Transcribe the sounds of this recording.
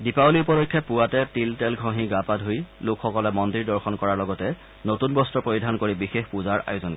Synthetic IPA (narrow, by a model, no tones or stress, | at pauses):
dipalipɔdɔkʰːjɛpʊwatɛtiltɛlɡʱoɦĩɡapadɦojlokʰxɔkɔlɛmɔndiɹdɔɹxɔnkɔɹaɹlɔɡɔtɛ | notunbɔstɹɔpɹoidʱankoɹibixexpuzaɹa̰jʊzɔn